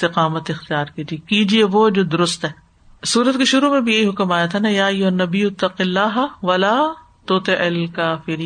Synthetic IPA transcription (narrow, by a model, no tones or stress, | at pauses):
t̪ɪqaːmət̪ɪxt̪ijaːɾkiːd͡ʒiekiːd͡ʒieʋod͡ʒoːd̪ʊɾʊst̪ɦɛː | suːɾət̪kiʃʊɾumẽbʱijɐɦiɦʊkmaːjat̪ʰanajaːɐjːʊɦɐnːɐbijʊt̪ːɐqɪlːaːɦʋɐlaː | t̪oːt̪eʔɪlkaːfɪɾiː